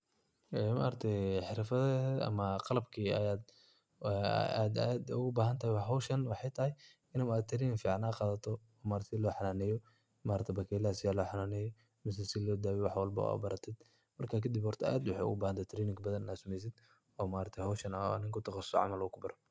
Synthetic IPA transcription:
ɛːma̰ːɾt̪ʰɛħɪɾfɐðɛɐ̰mɐqɑlɐbkʰiːɐ̰jaːd̪ | a̰d̪ɐ̰d̪ʊɣʊbaːɦɐnt̪ʰɐhɛjwɑɦɔwʃɐnwɑħɑjt̪ʰɐhɪj | ɪnɐmaːd̪̚t̪ʰɾiːnɪŋfiːʕɑnaːqɑːðɐt̪ʰɔ | ɔːmaːɾt̪ʰɛlɔːħɑnaːnɛjɔ | maːɾɐt̪ʰɛbɐkʰɛːlaːsɪjaːlɔːħɑnaːnɛːjɔ | mɪs̬ɛsɪlɔːd̪aːwɛwɑħwɑlbɐ̰a̰bɐɾɐt̪ʰɪd̪ | mɐrkʰaːkʰɐd̪ɪbhɔrt̪ʰɐa̰d̪wɑħɑ̰ʊ̰ɣʊbaːhɐnt̪ʰɛt̪ʰɾiːnɪŋkbɐðɐnɪnaːsʊmɛjs̬ɪd̪ | ɔːmaːɾɐt̪ʰɛhɔwʃɐnɐ̰nɪŋkʰʊt̪ʰɑqɑssɔ̰ʕɑ̰mɐlɔːkʰʊbɐɾɔ

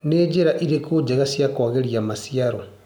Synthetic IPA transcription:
ned͡ʒeɾaʔiɾekud͡ʒeɣasjakoɣeɾiamasiaɾo

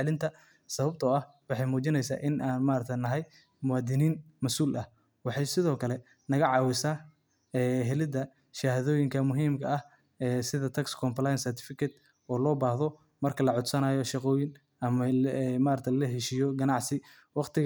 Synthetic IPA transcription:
lɪnt̪ʰɐ | sɐβɐb̚t̪ʰɔɐhwɑħɑjmuːt͡ʃɪnɛjsa̰ːʔɪnʔaːnmaːɾɐt̪ʰnɐɦɛj | mʊwaːd̪ɪniːnmɐsuːlʔɐh | wɑħɑjsɪðɔːkʰɐlɛ | nɐɣɐʕɑːwɪsaː | ɛːɦɛlɪd̪ɐ | ʃɐhaðɔːjɪŋkʰɐmʊɦiːmkʰɐɐh | ɛːsɪðɐt̪ʰɐkskʰɔmplajnsɛrt̪ʰɪ̥fɪkʰɛt̪ | ɔːlɔːbaːhðɔ | mɐrkʰɐlɐʕʊd̪sɐnaːjɔʃɑqɔːjɪn | ɐmɐmaːɾɐt̪ʰɐllɐɦɛʃiːjɔɡɐnɑʕsɪ | wɑqt̪ʰɪɣ

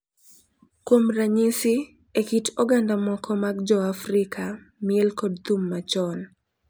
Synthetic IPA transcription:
kwomɾaɲisɪ | ekitoɡandamɔkʰɔmaɡd͡ʒɔafɾɪkʰa | miɛlkɔdt̪umːat͡ʃɔn

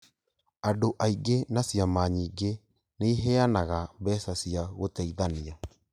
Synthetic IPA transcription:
adoʔaiɡenasijamaɲiːɡe | neɦeanaɣambɛːsasiaɣotɛiðania

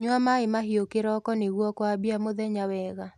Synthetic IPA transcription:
ɲwamaɪmaɦiokɪɾɔkɔneɣwɔkwabiamoðɛɲawɛɣa

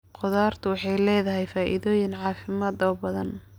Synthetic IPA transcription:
qʊðaːrt̪ʰʊwɑħɑjlɛːðɐɦɛjfaːʔɪ̰ðɔːjɪnʕɑːfɪmaːd̪ɔːbɐðɐn

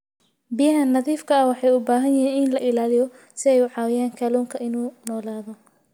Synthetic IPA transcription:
bijɐɦɐnːɐðiːfkʰɐɐwɑħɑjʊbaːɦɐnjɛɦiːnɪnlɐʔɪlaːlɪjɔ | sɪɛjʊʕɑːwɪjaːŋkʰɐluːŋkʰɐʔɪnuːnɔːlaːðɔ

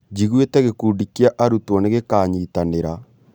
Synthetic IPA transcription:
d͡ʒiɣuetɛɣekuːɖikiaʔaɾutwɔneɣekaːɲitaneɾa

